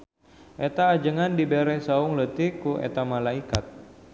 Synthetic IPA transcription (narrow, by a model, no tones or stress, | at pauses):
ʔet̪aːd͡ʒəŋandibeɾɛsaʊŋlət̪ɪkuʔḛt̪amalaikat̪̚